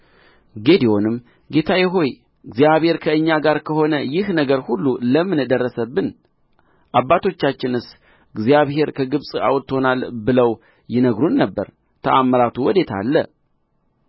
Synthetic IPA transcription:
ɡe̞d̪io̞nɨm | ɡe̞t̪ʰajɛɦo̞j | ɨɡzjaβhe̞ɾkʰəɨɲːaɡaɾkʰəho̞nəjɪhnəɡəɾhulːuləmɨnd̪ərːəsəbːɨn | ʔabːat̪ʰo̞t͡ʃːat͡ʃːɪnɨs | ɡzijaβhe̞ɾkʰəɡɨβsʼa̰wt̪ːho̞nalbɨləw | jɪnəɡɾunːəbːə̰ɾ | t̪ʰəʔamːəɾat̪ʰuwɔd̪e̞t̪ʰa̰lːə

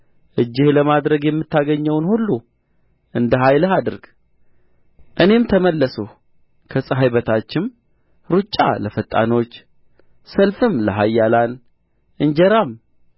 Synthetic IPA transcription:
ʔɨd͡ʒːɪhləmad̪ɾəɡjɛmːɨt̪ʰːaɡəɲːəwnhulːu | ʔɨnd̪əɦajləɦad̪ɨɾɡ̥ | ʔɨne̞mt̪ʰəməlːəsu | kʰəsʼəɦajbət̪ʰat͡ʃːɪm | ɾut͡ʃʼːa̰ləfət̪ʼːa̰no̞t͡ʃː | səlfɨmləɦajːalan | ʔɨnd͡ʒɛɾam

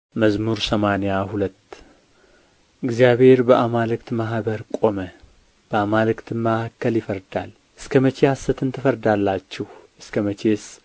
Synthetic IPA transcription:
məzmuɾsəmanejahulət̪ː | ʔɨɡzijaβhe̞ɾbəʔamalɨkt̪maɦbəɾkʼo̞mə | b̥əamalɨkt̪mahakːəljɪfəɾd̪a̰l | ʔɨskʰəmət͡ʃehasːət̪ɨnt̪ʰəfəɾd̪alːat͡ʃːɛhʔɨskʰəmət͡ʃʰes

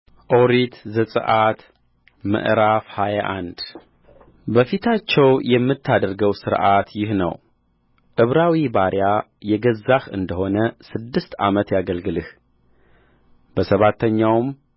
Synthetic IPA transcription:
ʔoɾit̪zəsʼɨ̰ʔat̪ | mə̰ʔɾafhajaʔand̪ | bəfit̪ʰat͡ʃːɛwjɛmːɨt̪ʰːad̪əɾɡəwsɨɾʔat̪jɪhnə̰w | ʔɨβɾawibaɾja | jɛɡəzːaxɨ̰nd̪əho̞nəsɨd̪ːɨst̪a̰mət̪jaɡəlɡɨlɨh | b̥əsəβat̪ʰːəɲːawm

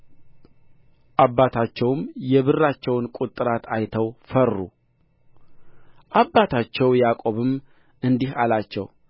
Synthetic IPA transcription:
ʔabːat̪ʰat͡ʃːɛwmjɛβɨrːat͡ʃːɛwnkʼut̪ʼːɨɾat̪ʰajt̪ʰəwfərːṵ | ʔabːat̪ʰat͡ʃːɛwjakʼo̞βɨm | ʔɨnd̪ihalat͡ʃːɛ̰w

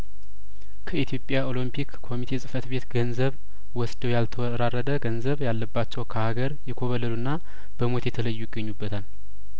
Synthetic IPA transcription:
kʰəit̪ʰijo̞pʼjao̞limpʰikʰːo̞mit̪ʰe̞sʼɨfət̪be̞t̪ɡənzəβ | wɔsd̪əwjalt̪ʰəwɾarːəd̪əɡənzəβjalːəbːat͡ʃːɛwkʰəhaɡəɾjɛkʰo̞βələlunːa | b̥əmo̞t̪jɛt̪ʰələjːujɪɡːəɲːubːət̪ʰal

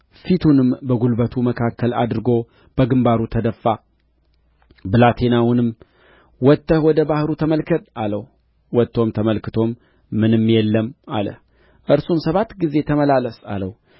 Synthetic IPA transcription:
fit̪ʰunɨmbəɡulbət̪ʰuməkʰakːəlad̪ɾɨɡo̞ | b̥əɡɨmbaɾut̪ʰəd̪əfːa | bɨlat̪ʰe̞nawʊnɨm | wɔt̪ːəhwɔd̪əbahɾut̪ʰəməlkʰət̪ʼaləw | wɔt̪ːo̞mt̪ʰəməlkɨt̪ʰo̞mː | ɨnɨmːjɛlːəma̰lə̰h | ʔɨɾsumsəβat̪ɡize̞t̪ʰəməlaləsa̰ləw

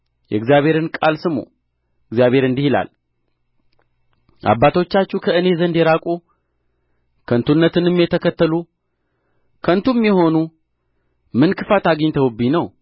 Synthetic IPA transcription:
jɛɡzijaβhe̞ɾɨnkʼalsɨmo̰ | ɨɡzjaβe̞ɾɨnd̪ihila̰l | ʔa̰bːat̪o̞t͡ʃːat͡ʃːukʰəɨne̞zənd̪eɾakʼu | kʰənt̪ʰunːət̪ɨnɨmjɛt̪ʰəkʰət̪ːəlu | kʰənt̪ʰumjɛho̞nu | mɨnkʰɨfat̪aɡəɲt̪ʰəwɨbːinəw

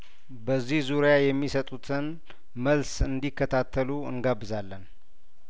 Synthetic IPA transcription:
bəzːihzuɾejajɛmːisət̪ʼut̪ʰɨn | məlsɨnd̪ikːət̪ʰat̪ʰːəluɨ̰nɡabːɨzalːən

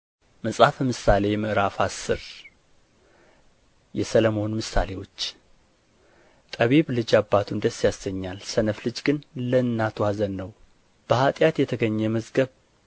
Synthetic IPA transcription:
məsʼafmɨsale̞jɛməʔɾafasːɨɾ | jɛsələmo̞nmɨsa̰le̞wo̞t͡ʃː | t̪ʼəβeβlɨd͡ʒabːat̪ʰund̪əsːjasɡəɲːalsənəflɨd͡ʒɡɨnlənːat̪ʰwazənːəw | b̥əhat̪ʼjat̪jɛt̪ʰəɡəɲːɛməzɡəβ

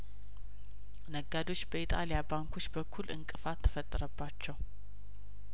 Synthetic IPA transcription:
nəɡad̪o̞t͡ʃːbəit̪ʼalijabaŋkʰo̞t͡ʃːbəkʰːulɨ̰ŋkʼɨfat̪ʰːə̥fət̪ʼːəɾəbːat͡ʃːɛw

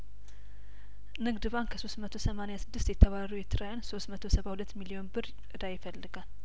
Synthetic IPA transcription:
nɨɡd̪ɨβankʰəso̞smət̪ʰo̞səmanejasɨd̪ːɨst̪jɛt̪ʰːəβaɾujɛt̪ʰːɨɾajanso̞smət̪ʰo̞səβahulət̪ːmilio̞nbɨɾ | ɨd̪ajɪfəlːɨɡal

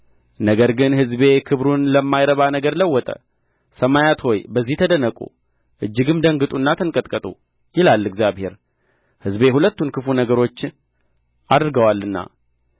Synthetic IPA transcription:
nəɡəɾɡɨnhɨzbe̞kʰɨβɾunləmːajɾəβanəɡəɾləwːɔt̪ʼə̰ | səmajat̪ho̞jbəzːiht̪ʰəd̪ənəkʼṵ | ʔɨd͡ʒːɨɡɨmd̪əŋɡɨt̪ʼunːat̪ʰəŋkʼət̪ʼkʼət̪ʼṵ | jɪlalːɨɡzjaβhe̞̰ɾ | hɨzbe̞ɦulət̪ːunkʰɨfunəɡəɾo̞t͡ʃː | ʔad̪ɾɡəwalːɨnːa̰

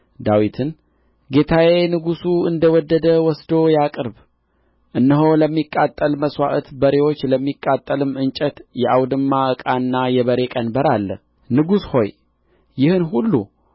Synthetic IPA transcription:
d̪awit̪ʰɨn | ɡe̞t̪ʰawe̞nɨɡusuɨnd̪əwɔd̪ːəd̪əwɔsd̪o̞jakʼɨɾb | ʔɨnːəɦo̞ləmːikʼːat̪ʼːəlməswa̰ʔət̪bəɾe̞wot͡ʃːləmːikʼːat̪ʼːəlɨmɨnt͡ʃʼət̪jɛʔawd̪ɨmːaʔəkʼanːajɛβəɾe̞kʼənbəɾalːə̰ | nɨɡusho̞j | jɪhɨnɦulːṵ

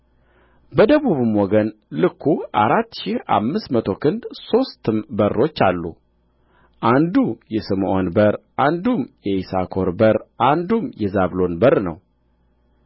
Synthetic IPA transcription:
bəd̪əβuβɨmwɔɡənlɨkʰːuʔa̰ɾat̪ːʃiha̰mːɨsmət̪ʰo̞kʰɨnd̪so̞st̪ɨmbərːo̞t͡ʃːalːṵ | ʔand̪ujɛsɨmʔonbəɾʔand̪umjɛʔisakʰo̞ɾbəɾʔand̪umjɛzaβlo̞nbərnə̰w

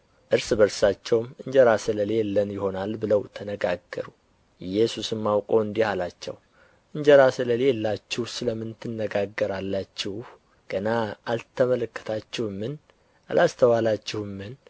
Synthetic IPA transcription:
ʔɨɾsbəɾsat͡ʃːɛwmɨɲd͡ʒəɾasɨləlelːənjɪho̞nalbɨləwt̪ʰənəɡaɡːə̰ɾu | ɨjɛsusɨmːawkʼoɨnd̪ihalat͡ʃːɛ̰w | ʔɨɲd͡ʒəɾasɨləlelːat͡ʃːɪhsɨləmːɨnt̪ʰːɨnːəɡaɡːəɾalːat͡ʃːɪhh | ɡ̥ənaːlt̪ʰəmələkːə̥t̪ʰat͡ʃːɪhmːɨn | ʔa̰lʔast̪ʰəwalat͡ʃːɪhɨmːɨn

